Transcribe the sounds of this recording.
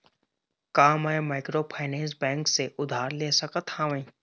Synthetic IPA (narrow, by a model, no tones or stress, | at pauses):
kaːmaemaːɪkɾoːpʰaːnɛ̃ːns̬bɛ̃ːŋkseʔʊd̪ʱaːɾleːsəkət̪haːʋẽː